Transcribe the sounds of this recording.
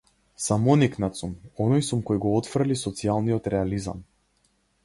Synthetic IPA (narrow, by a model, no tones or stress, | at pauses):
samɔniknat̪sumɔnɔjsumkɔjɡɔɔt̪fr̩lisɔt̪sialˠniɔt̪ɾɛaliza̰m